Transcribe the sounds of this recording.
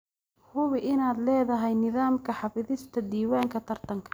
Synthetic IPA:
hʊβɪʔɪnaːd̪lɛːðɐɦɛjnɪðaːmkʰɐħɑfɪðɪst̪ʰɐd̪iːwaːŋkʰɐt̪ʰɐrt̪ʰɐŋkʰɐ̥

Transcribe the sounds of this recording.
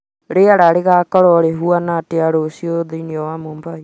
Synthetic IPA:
ɾeaɾaɾeɣakɔɾɔɾeɦuanateaɾosioðeiniɔwamoːmbai

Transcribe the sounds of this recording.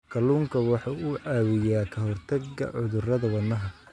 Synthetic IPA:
kʰɐluːŋkʰɐwɑħɑʊʕaːwɪjaːkʰɐɦɔrt̪ʰɐɡːɐ̰ʕʊðʊrɐðɐwɐnːɐɦɐ

